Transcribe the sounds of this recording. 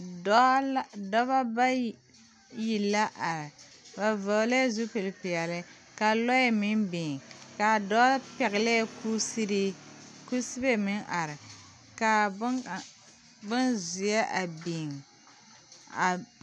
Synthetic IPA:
dɔ˦ba˦ba˦ | ji˨lːa˦ʔa˨ɾɪ˨ | ba˨vɔ˨la˦zu˦pi˨lpi˨ɛ˨lɪ˦ | ka˨lɔ˦jmi˦nbi˨ŋka˨dɔ˦pɛ˨ɣɪ˨le˦ku˦si˦ɾi˦ku˦si˦be˦mɪ˦ŋʔa˨ɾɪ˨ | ka˨˦˨ | bɨ˦nzi˨ja˦ʔa˨bi˨ŋ | a˨

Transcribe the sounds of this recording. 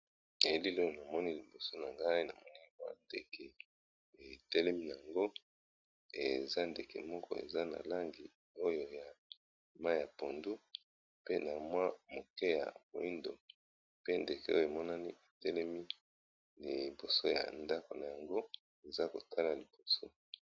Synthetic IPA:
e˨li˦lo˦jo˨na˨mɔ˦ni˦li˨bo˨so˦na˨ŋɡa˦i˦na˨mɔ˦ni˦bu˦a̰˦nde˨kʰɛ˨ | e˨tɛ˦lɛ˦mi˦na˨ja˨ŋɡo˦ | ḛ˨za˦nde˨kɛ̰˨mɔ˦kɔ̰˦ḛ˨za˦na̰˨la˦ŋɡi˨ | o˦jo˨ja˨ | ma˦ja˨po˨ndu˦ | pe˦na˨mwa˦mo˨kɛ˦ja̰˨bo˨i˦ndo̰˨ | pe˦nde˨kɛ˨˦o˦jo˨e˨mɔ˦na˦ni˦e˨tɛ˦lɛ˦mi˦ | li˨bo˨so˦ja̰˨nda˦ko˨na˨ja˨ŋɡo˦ | e˨za˦ko˨tʰa˦la˨li˨b̥o˨so˦

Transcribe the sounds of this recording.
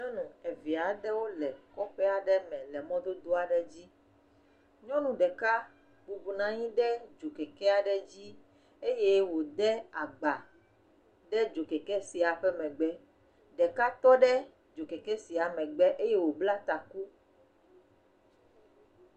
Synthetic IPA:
ɲɔ̃˦nũ˨ɛ˨vi˨a˨ɖɛ˦wo˦lɛ˨kɔ˦ɸɛ˦a˨ɖɛ˦mɛ̃˨lɛ˨mɔ̃˦d̪o˦d̪o˦a˨ɖɛ˨d͡ʑi˦ | ɲɔ̃˦nũ˨ɖɛ˨ka˦ | bu˨bu˨nã˨ɲĩ˦ɖɛ˦d͡ʒo˨kɛ˨kɛ˦a˨ɖɛ˦d͡ʑi˦ | e˦je˦wo˨d̪ɛ˦a˨ɡ͡ba˨ | ɖɛ˦d͡ʒo˨kɛ˨kɛ˦si˨a˨ɸɛ˦mɛ̃˨ɡ͡bɛ˦ | ɖɛ˨ka˦t̪ɔ˦ɖɛ˦ | d͡ʒo˨kɛ˨kɛ˦si˨a˨mɛ̃˨ɡ͡bɛ˦ʔe˦je˦wo˨bla˦t̪a˨ku˦

